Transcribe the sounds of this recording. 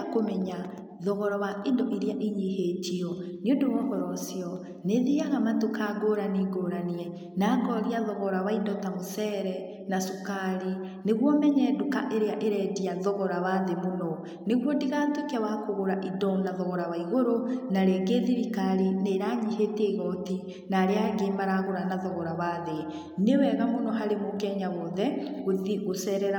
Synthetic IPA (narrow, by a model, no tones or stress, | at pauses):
akomɛɲa | ðɔɣɔɾɔwaendoʔeɾeaʔiɲiɦetiɔneondowɔɣɔɾɔsiɔ | neðiaɣamatokaɡoɾaniɡoɾaniɛ | naːɡɔɾiaðɔɣɔɾawaindɔtamosɛːɾɛ | nasukaɾi | neɣwɔmɛɲɛdoka̰ʔeɾeaʔeɾɛdiaðɔɣɔɾaβaːðemonɔ | neɣwɔndiɣaːtokɛwakoɣoɾaʔidɔnaðɔɣɔɾawaiɣoɾonaɾeːɡeðiɾikaɾeneɾaːɲiheteɣɔti | naːɾeaɣemaɾaɣoɾanaðɔɣɔɾaβaːðe | newɛɣamonɔɦaɾemoɡɛɲaɣɔðɛɣoðiɣosɛɾɛɾa